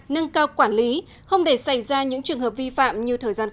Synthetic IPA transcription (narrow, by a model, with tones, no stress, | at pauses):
nə˧nkaː˧wkwaː˧˩nli˨˦ | xə˧wŋ͡mɗe˧˩sa˧˩jzaː˧ɲɨ̰˧˥ŋt͡ɕɨ˨˩əŋɦəː˨˩p̚vi˧fa̰ː˧˨mɲɨ˧t̪ʰəː˨˩jzaː˧n